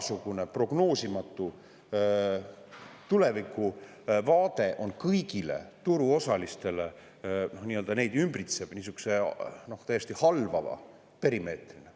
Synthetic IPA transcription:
suɡ̥une̞pro̞ɡ̥no̞ːsimɑt̪ːˑu | t̪ule̞vikːˑu | vɑːd̪e̞ʔo̞nkɤjɡ̥ile̞̰t̪uɾuo̞sɑlist̪e̞le̞ | nohniːøld̪ɑne̞jd̪ymbrit̪seb̥niːs̬yku̥se̞no̞ht̪æjest̪ihɑlvɑvɑ̰ | pe̞ɾime̞ːt̪rine

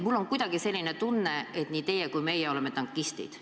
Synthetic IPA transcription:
mulːo̞ŋkujd̪̥ɑɡ̥ise̞lʲːine̞t̪unːe̞et̪niːt̪e̞jekujme̞jɛo̞le̞me̞t̪ɑŋkːˑist̪ḭd̪̥

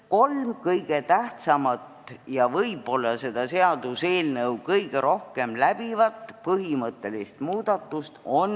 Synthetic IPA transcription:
ko̞lmkɤjɡ̥et̪æht̪sɑmɑt̪jɑvɤjbo̞lːɑse̞d̪̥ɑse̞ɑd̪use̞ːlnɤwkɤjɡ̥eɾʔo̞hke̞mlæb̥ivɑt̪ːˑpɤɦimɤt̪ːe̞list̪muːd̪̥ɑt̪ːˑust̪o̞n

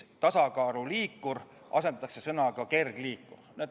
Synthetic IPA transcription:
t̪ɑsɑkɑːɾuliːkːuɾ | ʔɑ̰se̞nd̪ɑt̪ɑkse̞sɤnɑkɑke̞rɡ̥liːkːurneːd̪

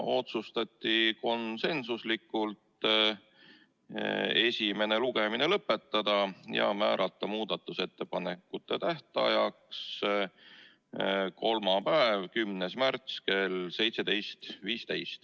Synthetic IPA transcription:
o̞t̪sust̪ɑt̪ʲːiko̞nse̞nsuslikːˑult̪ | e̞sʲime̞ne̞luɡ̥e̞mine̞lɤpːe̞t̪ːɑd̪̥ɑjɑ̰mæ̰ːɾʔɑt̪ˑːɑmuːd̪ɑt̪ːˑuse̞t̪ːe̞pɑnekːˑut̪ːˑe̞t̪æht̪ɑ̰jɑks | ko̞lmɑpæevkymnesmært̪ske̞lse̞jt̪se̞t̪e̞jst̪viːst̪e̞jst̪

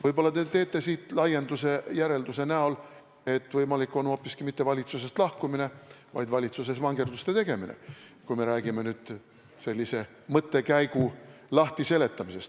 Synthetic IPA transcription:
vɤjbo̞lːɑt̪e̞t̪e̞ːt̪ˑːe̞siːt̪ˑlɑje̞nd̪use̞jæɾe̞ld̪use̞næo̞l | e̞t̪ːˑvɤjmɑlikːˑo̞no̞ːpːˑiskimit̪ːe̞vɑlʲit̪suse̞st̪lɑhkumine̞vɑ̰jd̪vɑlʲit̪suse̞svɑŋɡe̞rd̪ust̪e̞t̪e̞ɡ̥e̞minḛkujme̞ɾæːɡime̞nyːd̪̥ | se̞lʲːise̞ | mɤt̪ːe̞kæjɡulɑht̪ise̞le̞t̪ːˑɑmise̞st̪

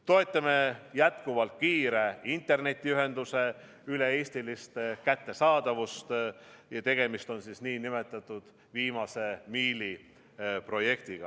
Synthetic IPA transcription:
t̪o̞et̪ˑːɑmejæt̪kuvɑlt̪̚kiːɾeint̪ːˑe̞rne̞t̪ʲːˑiyɦe̞nd̪̥use̞ | yle̞eːst̪ilist̪kæt̪ːe̞sɑːd̪̥ɑvust̪jɑt̪e̞ɡ̥e̞mist̪o̞nsisniːnime̞t̪ːˑɑt̪ːˑud̪̥ | viːmɑse̞miːli | pro̞je̞kt̪iɡ̥ɑ̰

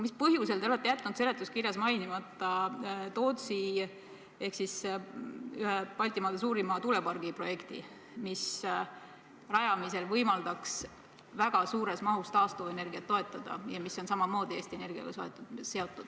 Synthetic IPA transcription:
mispɤɦjuse̞lt̪eo̞le̞t̪ːe̞jæt̪ːˑnud̪se̞let̪ːˑuskirjɑsmɑjnimɑt̪ːˑɑt̪o̞ːt̪si | e̞hksis | yɦepɑlʲt̪ˑimɑːd̪̥es̬uːɾimɑt̪ule̞pɑrɡipro̞je̞kt̪ḭ | mis | rɑjɑmise̞lvɤjmɑld̪̥ɑks | væɡ̥ɑsuːɾe̞smɑɦust̪ɑːst̪oe̞ne̞rɡiɑt̪ːo̞e̞t̪ːˑɑd̪̥ɑ̰jɑmiso̞nsɑmɑmo̞ːd̪̥ieːst̪iene̞rɡ̥iɑ̰ɡɑso̞e̞̰t̪ːˑud̪̥se̞o̞t̪ːˑud̥̪

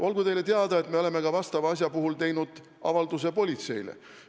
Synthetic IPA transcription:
ʔo̞lɡut̪e̞jle̞t̪eɑd̪ɑe̞t̪me̞o̞le̞me̞kɑvɑst̪ɑvɑɑs̬ʲjɑpuɦult̪e̞jnud̪̥ | ɑ̰vɑld̪us̬e̞po̞lʲit̪se̞jlḛ

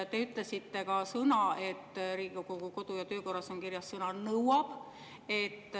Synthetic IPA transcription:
t̪e̞yt̪ˑlesit̪ːe̞kɑsɤnɑe̞t̪ːriːɡikokukuko̞d̪ujɑt̪øːko̞rːɑso̞ŋkirjɑsːɤnɑnɤwɑb̥ | e̞t̪ːˑ

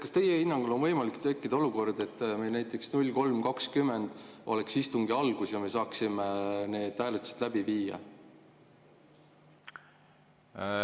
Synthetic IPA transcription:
kɑst̪e̞jehinːɑŋɡ̥ulo̞nvɤjmɑlikt̪e̞kːid̪ɑo̞luko̞rd̪̥e̞t̪ːmejlnæjt̪ːˑe̞ksnulʲːko̞lmkɑkskymːe̞nd̪̥ʔo̞̰le̞ksist̪uŋɡiɑlɡ̥usjɑme̞sɑːksimene̞ːd̪̥ːæːlut̪si̥d̪̥læb̥iviːjɑ̰

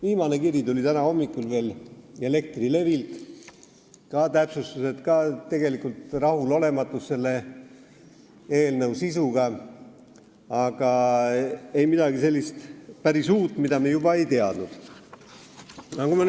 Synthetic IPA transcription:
viːmɑne̞kirjit̪ulʲit̪ænɑho̞mːikːˑulve̞ːle̞le̞k̚t̪rile̞vilt̪ | kɑt̪æpsust̪use̞t̪kɑt̪ːe̞ɡe̞likult̪rɑhulo̞le̞mɑt̪ːˑusːe̞lːe̞ | e̞ːlnəwsisuɡ̥ɑ | ɑɡ̥ɑ | e̞jmid̪̥ɑɡise̞lːist̪pæɾisuːt̪ːˑmid̪ɑmejubɑe̞jt̪eɑd̪̥nud̪̥ | ɑkumɑ

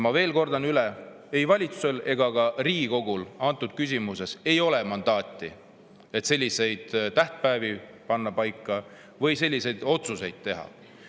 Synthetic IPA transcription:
mɑve̞ːlko̞rd̪̥ɑnylɛ | e̞jvɑlʲit̪su̥se̞le̞ɡ̥ɑkɑriːɡiko̞ɡulɑnt̪ːˑud̪̥̚kys̬ʲimuse̞se̞jo̞le̞mɑnd̪̥ɑːt̪ʲːˑi | et̪se̞lʲːise̞jd̪̥t̪æht̪̚pæevi | pɑnːɑpɑjkːˑɑ | vɤjse̞lʲːise̞jd̪̥o̞t̪suse̞jd̪̥̚t̪e̞ɦɑ̰

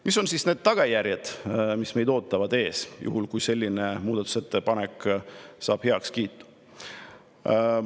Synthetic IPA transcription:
miso̞nsisne̞ːd̪̥̚t̪ɑɡ̥ɑjærjɑd̪̥misme̞jd̪̥o̞ːt̪ːˑɑvɑd̪e̞ːsjṵhulkujse̞lʲːine̞muːd̪̥ɑt̪u̥se̞t̪ːe̞pɑneksɑ̰ːb̥he̞ɑkskiːt̪ːˑu̥

